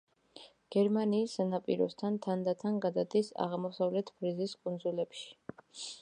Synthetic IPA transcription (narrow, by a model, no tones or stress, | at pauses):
ɡ̥ɛɾmaniːsːanapʼḭɾɔ̰st̪ʰant̪ʰand̪at̪ʰanɡad̪ad̪isa̰ʁmɔsavlɛt̪ʰpʰɾiziskʼund̪zulɛpʃi̥